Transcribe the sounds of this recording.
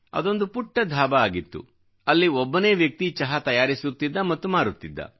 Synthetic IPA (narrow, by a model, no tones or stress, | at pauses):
ɐ̰d̪o̞nd̪upuʈːɐd̪ʱaːbɐaːɡit̪ːṵ | ɐlːiɔbːɐne̞ːʋjɐk̚t̪it͡ʃɐɦɐt̪ɐjaːɾisut̪ːid̪ːɐmɐt̪ːumaːɾut̪ːid̪ːɐ̰